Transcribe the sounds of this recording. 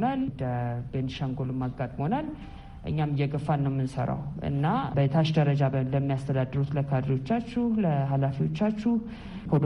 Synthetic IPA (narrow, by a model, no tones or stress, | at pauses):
nald̪əbenʃaŋɡolɨmːaɡːat̪ʼmhonal | ʔɨ̰ɲːamːjɛɡəfanːəwmːɨnsə̰ɾa̰wʔɨ̰nːabət̪ʰaʃd̪əɾəd͡ʒabələmːijast̪ʰəd̪ad̪ːɨɾut̪ləkʰad̪ɾiwo̞t͡ʃːat͡ʃːuhləɦalafiwo̞t͡ʃːat͡ʃːuh | kʰəd̪